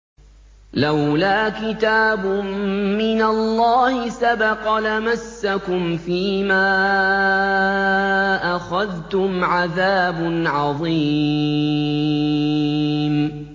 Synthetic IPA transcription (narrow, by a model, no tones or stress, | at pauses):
lawlaːkɪt̪aːbʊmɪnalːɑːhɪsabɑqɑlamasːakʊmfiːmaː | ʔaxaðt̪ʊmʕaðaːbʊnʕɑðˤiː | m